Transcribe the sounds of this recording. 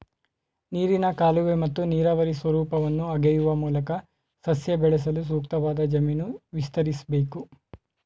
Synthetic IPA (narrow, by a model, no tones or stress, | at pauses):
niːɾinɐkaːluʋemɐt̪ːuniːɾɐʋɐɾisʋɐɾuːpɐʋɐnːuɐɡɛjuʋɐmuːlɐkɐ | sɐsjɐbɛɭɛs̬ɐlus̬uːkt̪ɐʋaːd̪ɐd͡ʒɐminuʋist̪ɐɾisɐbe̞ːku